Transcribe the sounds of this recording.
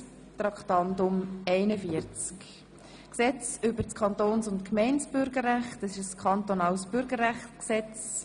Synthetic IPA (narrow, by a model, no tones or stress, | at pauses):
t̪ɾɑkχt̪ɑnd̪ʊmɛɪnəfiəɾt͡sk | ksɛt͡sʏbəɾt͡skʰχɑnt̪oːnsʊntkmɛɪnt͡sb̥ʏɾɡəɾːæχtəsɪʃəskʰɑnt̪onɑːlsb̥ʏɾɡəɾːæχtksɛt͡s